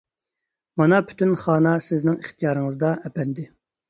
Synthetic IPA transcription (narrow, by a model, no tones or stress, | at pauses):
mɑnɑpʰy̥t̪ynχɑːnɑsɪznɪŋiχt̪ʰijɑːɾɨŋɨzd̪ɑɛpɛnd̪ɪ